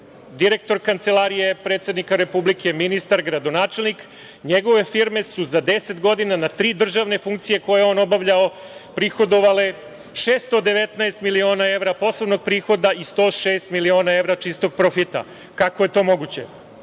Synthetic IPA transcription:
d̪iɾe̞k̚t̪o̞ɾkant̪se̞laɾije̞pɾet̪sje̞d̪nikaɾe̞publikʰe̞minist̪aɾɡɾad̪o̞naːt͡ʃe̞lnik | ɲeɡo̞ʋe̞fiɾme̞suzad̪e̞set̪ɡo̞d̪inanat̪ɾiːd̪r̩ʒaʋne̞fuŋk̚t̪sije̞ko̞jeo̞no̞baʋʎao | pɾixo̞d̪o̞ʋale̞ | ʃeːst̪o̞d̪e̞ʋet̪naest̪milio̞ːnae̞ʋɾapo̞sloʋno̞ɡ̚pɾiːxo̞d̪aʔist̪o̞ːʃeːst̪milio̞ːnae̞ʋɾat͡ʃist̪o̞ɡ̚pɾofit̪a̰ | kakoje̞t̪o̞ːmo̞ɡut͡ɕḛ

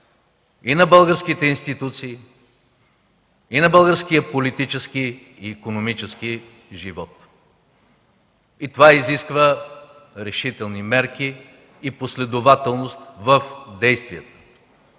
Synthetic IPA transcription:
inɐbəlˠɡəɾskit̪ɛinst̪it̪ut̪siː | nɐbəlˠɡəɾskijəpolit̪it͡ʃɛski | iːkonomit͡ʃɛski | ʒivɔt̪ | it̪ovaiziskvə | ɾɛʃit̪ɛlˠnimɛɾk̟iː | poslɛd̪ovat̪ɛlˠnost̪vəfd̪ɛjst̪viət̪ə̥

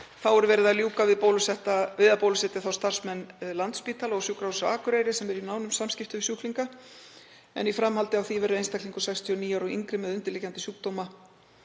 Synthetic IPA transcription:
θawɛɾvɛːɾɪðaljuːkavɪðpowlʏsɛht̪avɪðapowlʏsɛt̪ɪθawst̪ar̥smɛnːlant̪spiːt̪ʰalaɔsjukɾawsʏaːkʏɾejɾɪsɛmɛɾinaːwnʏmsamscɪft̪ʏsuhkliŋka | ɛ̰nifɾamhalt̪ɪawθivɛɾʏejnst̪akliŋkʏ̥sajkst̪ʰiɔniːjawɾɔɣḭŋkɾɪmɛðʏnt̪ɪɾlɪcːant̪ɪsjuk̚t̪oːwma

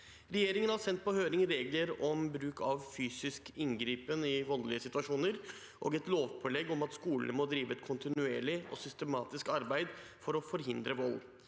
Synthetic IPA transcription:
ɾɛjeːɾɪŋənhɑɾsɛnt̪̚pɔhøːɾɪŋɾeːɡləɾɔmbɾʉːkʰɑʋfyːsɪskɪŋɡɾiːpənɪʋɔllɪəsɪt̪ʉʋɑʂuːnəɾ | ʔo̰ːɡɛt̪loːʋpʰɔlɛɡɔmɑt̪skuːlənmɔd̪ɾiːʋəɛt̪kʰʊnt̪ɪnʉeːɭɪɔ̰sʏst̪əmɑːt̪ɪskɑɾbæɪd̪fɔɾɔfɔɾɦɪnd̪ɾəʋɔl

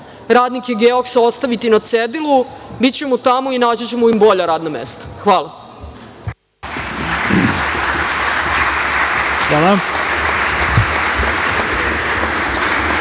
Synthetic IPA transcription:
ɾaːd̪nikeɡeoksao̞t̪st̪aʋit̪inat̪sed̪ilubitt͡ɕe̞mut̪amoinaːd͡ʑet͡ɕemoimbo̞ʎaɾaːd̪namḛst̪ḁxʋaːlˠa | xʋaːla

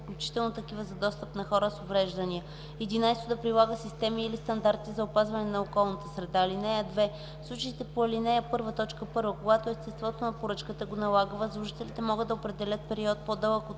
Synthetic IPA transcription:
klʲut͡ʃi̥t̪ɛlˠnot̪ɐkivəzɐd̪ɔst̪əpnɐxɔɾəsovɾɛʒd̪ɐniə | ɛd̪inajst̪od̪ɐpɾilˠaɡəsist̪ɛmiːlist̪ɐnd̪aɾt̪izɐopazvɐnɛnɐokɔlˠnɐt̪əsɾɛd̪aːlinɛjəd̪vɛ | fslˠut͡ʃəit̪ɛpoɐlinɛjəpɤɾvət̪ɔt͡ʃkəpɤɾvəkoɡat̪oɛst̪ɛst̪vɔt̪onɐpoɾɤt͡ʃkət̪əɡonɐlˠaɡvəslˠuʒit̪ɛlit̪ɛmɔɡəd̪ːɐopɾɛd̪ɛlʲət̪̚pɛɾiɔt̪̚pod̪ɤlˠəko

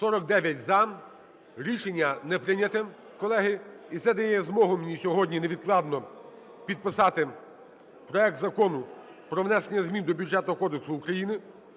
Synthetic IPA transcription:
sɔɾɔkd̪ɛʋʲjɐtʲzɐ | ɾʲiʃenʲːɐnɛpɾɪnʲɐt̪ɛ | kɔlˠɛɦɪit̪sɛd̪ɐjɛɛzmɔɦʊmnʲisʲɔɦɔdʲnʲineʋʲid̪̚klˠɑd̪nɔ | pʲid̪̚pɪsɑt̪ɪ | pɾɔɛk̚t̪zɐkɔnʊ | pɾɔʋnɛsenʲːɐzʲmʲind̪ɔbʲudʐɛt̪ʊɔkɔd̪eksʊːkɾɐjinɪ

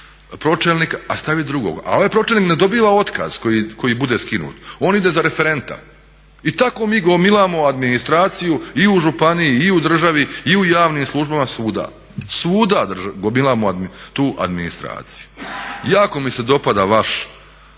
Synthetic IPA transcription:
pɾo̞t͡ʃelnikaast̪aʋid̪ɾuɡo̰ɡa̰o̞ʋajpɾo̞t͡ʃelnikned̪o̞biʋao̞t̪ka̰z̥kojiko̞jibud̪e̞skinṵːt̪o̞ːnid̪e̞zaɾe̞fe̞ɾe̞nt̪a̰ | it̪ako̞miːɡo̞milˠamo̞ad̪minist̪ɾaːt̪sijuiuʒupanijiːud̪r̩ʒaʋiiujaːʋniːmslˠuʒbamasuːd̪a̰ | suːd̪ad̪rʒaɡomilˠamoad̪t̪uːʔa̰d̪minist̪ɾa̰ːt̪si̥ju̥jaːko̞mise̞d̪o̞pad̪aʋaʃ

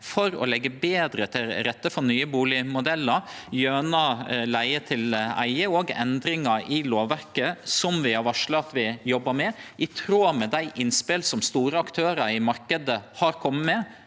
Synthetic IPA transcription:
fɔɾɔ̰lɛɡːəbeːd̪ɾət̪ʰɪlɾɛt̪ːəfɔɾnyːəbuːlɪmʊd̪ɛlːəɾjøːnɑlæɪət̪ʰɪlæ̰ɪəoɡɛ̰nd̪ɾɪŋɑɾɪloːʋʋæɾkəsɔmʋɪhɑɾʋɑʂɭɑt̪ʋɪjɔbːəɾmɛʔɪt̪ʰɾuːmɛd̪æɪʔɪnspɪlsɔmst̪uːɾəɑkt̪ʰøːɾəɾɪmɑɾkəd̪əhɑɾkʰɔmːəmɛ

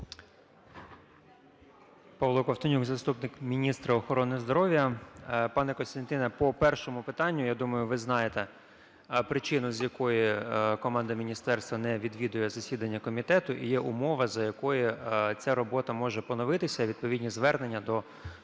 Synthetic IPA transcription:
pɑʋlˠɔkɔft̪ɔnʲuɡzɐst̪upnɪkmʲinʲist̪ɾɐɔxɔɾɔnɪzd̪ɔɾɔʋʲjɐpɑnɛkɔnst̪ɐnʲt̪ɪnɐpɔpɛrʃɔmʊpɪt̪ɑnʲːʊjad̪umɐjʊʋɪznɑjet̪ɛ | pɾɪt͡ʃɪnʊzʲjɐkɔjikɔmɑnd̪ɐmʲinʲist̪ɛrst̪ʋɐnɛʋʲid̪ʋʲid̪ʊjɛzɐsʲid̪ɐnʲːɐkɔmʲit̪ɛt̪ʊʔḭjɛʔʊmɔʋɐzɐjɐkɔjit͡sʲaɾɔbɔt̪ɐmɔʒɛpɔnɔʋɪt̪ɪsʲɐʋʲid̪̚pɔʋʲid̪ʲnʲizʋɛrnenʲːɐd̪ɔ

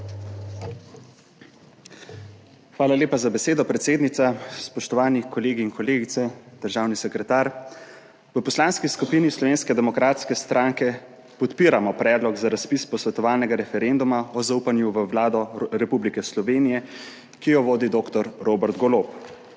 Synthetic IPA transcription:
xʋaːlalʲeːpazabɛseːd̪ɔpɾɛt̪seːd̪nit̪saspɔʃt̪ɔʋaːnikʰɔleːɡiːnkɔleːɡit̪sɛd̪̥əɾʒaːwnisɛkɾɛt̪aːɾ | ʋəpɔslaːnskiskupiːnislɔʋeːnskɛd̪ɛmɔkɾaːt̪skɛst̪ɾʔaːŋkɛ | pɔt̪piːɾamɔpɾɛːd̪lɔɡzaɾaspiːspɔsʋɛt̪ɔʋaːlnɛɡaɾɛfɛɾend̪umaɔzauːpanjuʋəwlaːd̪ɔɾɛpublikɛslɔʋeːnijɛ | kijɔʋoːd̪id̪oːkt̪ɔɾɾoːbɛɾd̪ɡɔloːp

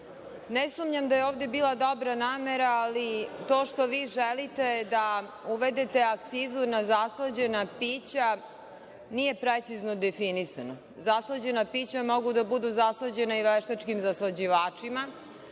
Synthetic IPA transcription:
nesumɲamd̪ajeoːʋd̪ebiːlˠad̪o̞bɾanaːmeɾaːlit̪o̞ːʃt̪o̞ʋiːʒelit̪e̞d̪auʋed̪et̪e̞akt̪siːzunazaslˠad͡ʑe̞napiːt͡ɕa | nije̞pɾet̪siznod̪efinisano | zaslˠad͡ʑe̞napiːt͡ɕamo̞ɡud̪abud̪uzaslˠad͡ʑenaiʋeʃt̪at͡ʃkimzaslˠad͡ʑiʋaːt͡ʂima

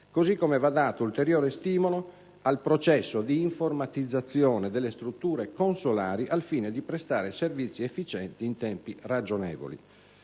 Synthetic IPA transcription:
kozikːomɛvad̪ːaːt̪oult̪eɾjɔːɾest̪iːmɔlo | alpɾɔt͡ʃɛsːod̪iːɱformat̪id̪zːat̪sːjɔːnɛd̪ɛlːest̪ɾut̪ːuːɾekonsolaːɾiʔalfiːned̪ipɾɛst̪aːɾeservit̪sːiefːit͡ʃɛnt̪iːnt̪ɛmpirad͡ʒonɛ̰ːvo̰lḭ

